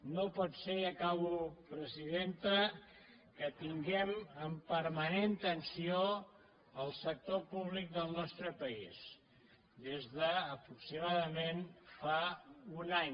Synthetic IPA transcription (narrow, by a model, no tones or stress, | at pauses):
nopɔt̪seəkaβupɾəziðent̪ə | kət̪iŋɡɛməmpəɾmənent̪ənsio | əlˠsək̚t̪opuβlik̚d̪əlˠnɔst̪ɾəpəis | d̪ezðəːpɾuksimaðəmenfaunaɲ